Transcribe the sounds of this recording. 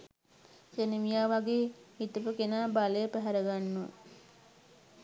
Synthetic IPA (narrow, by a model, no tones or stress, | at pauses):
senimijaːʋaɡeːhit̪upəkenaːbaləjəpæɦæɾəɡanːuə̰